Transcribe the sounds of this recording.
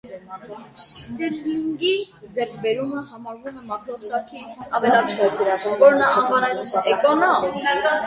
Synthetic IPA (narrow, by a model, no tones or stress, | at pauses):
ʃit̪ɛlliŋɡi | d͡zɛɾkʰbɛɾuməɦɑmɑɾvumɛmɑkʰɾɔʃɑkʰiɑvɛlɑt͡sʰkɛt͡sɾvɔɾnɑɑnvɑnɛt͡sʰɛkɔnɔm